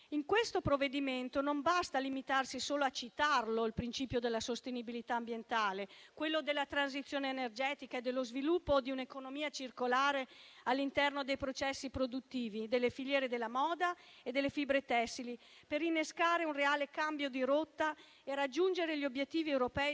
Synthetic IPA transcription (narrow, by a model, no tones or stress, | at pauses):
iŋkwest̪opɾovːed̪iment̪onombast̪alimit̪arsisoːloat͡ʃit̪arloilpɾint͡ʃiːpjod̪elːasost̪enibilit̪aːmbjent̪aːlekwelːod̪elːat̪ɾanz̬it̪sːjoːneːnerd͡ʒɛːt̪ikaed̪ːelːozvilupːod̪iunekonomiːat͡ʃirkolaːɾealːint̪ɛrnod̪ejpɾot͡ʃɛsːipɾod̪ut̪ːiːvid̪elːefiʎjɛːɾed̪elːamɔːd̪aed̪elːefibɾet̪ɛsːilipeɾinːeskaːɾeunreaːlekambjod̪iɾot̪ːa | eɾad͡ʒːund͡ʒeɾeʎiobjet̪ːiːviɛwɾopɛː